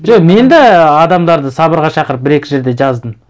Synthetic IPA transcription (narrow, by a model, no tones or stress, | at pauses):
ʒoqme̞nd̪ɑɑd̪ɑmd̪ɑɾd̪əsɑbəɾʁɑʃɑqəɾəp̚bɪɾe̞kʲɪʒe̞ɾd̪e̞ʒɑzd̪əm